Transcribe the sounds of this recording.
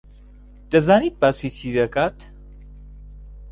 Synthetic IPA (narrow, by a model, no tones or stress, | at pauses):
d̪̥ɐzaːnit̪̚baːsitʰiːd̪ɐkaːt̪